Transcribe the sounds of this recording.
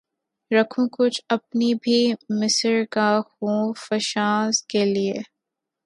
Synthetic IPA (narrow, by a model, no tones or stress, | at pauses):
ɾɐkʰũkʊt͡ʃʰɐp̚nibʱimɪsəɾkaxũfɐʃaːzkelieː